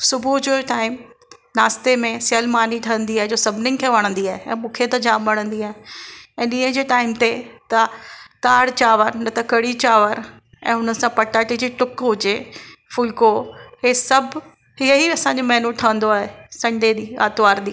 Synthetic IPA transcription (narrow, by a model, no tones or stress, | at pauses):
sʊbʱud͡ʑoʈaːɪmnaːst̪emẽsəlmaːniʈʰɐə̃nd̪iaːɦed͡ʑoːsɐbʱnɪŋkʰeːʋɐɽ̃ə̃nd̪iaːɦeɛ̰̃ːmũːkʰet̪ɐd͡ʑãːmbɐɽ̃ə̃nd̪iaːɦeɛ̃ːɗɪɦə̃d͡ʑeːʈaːɪmt̪et̪ɐt̪aːɽt͡ɕaːʋəɾnɐt̪ɐkɐɽit͡ɕaːʋəɾ | ɛ̰̃ːɦʊnənɪ̆sãpɐʈaːʈid͡ʑiːʈʊkɦʊd͡ʑefʊlkoɦesɐbʱ | ɦiəɦiɐsãːɲd͡ʑomɐɦnũʈʰɐʋə̃nd̪oaːɦesɐ̃ɳɖed̪iːa̰ːt̪ʋaːɾɗ̪iː